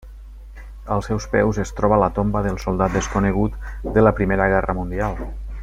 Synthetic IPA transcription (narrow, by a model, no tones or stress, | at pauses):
əlˠsɛwspɛwzest̪ɾɔβələt̪ombəðəlˠsolˠd̪at̪̚d̪əskunəɣ̞ut̪d̪ələpɾimeɾəɣ̞ɛrəmund̪ialˠ